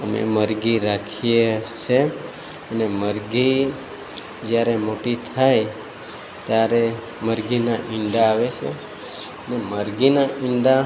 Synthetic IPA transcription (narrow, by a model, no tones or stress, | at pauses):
əmḛməɾɡiɾakʰijet͡ʃʰe | əneməɾɡi | d͡ʒjaɾemoʈit̪ʰaj | t̪jaɾe | məɾɡinaʔɪɳɖaːʋet͡ʃʰḛ | əneməɾɡinaɪɳɖ̪a